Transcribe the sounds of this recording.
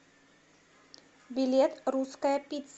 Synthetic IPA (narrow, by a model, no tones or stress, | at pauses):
bʲɪlʲet̪ɾuskəjəpʲit̪ʲsʲ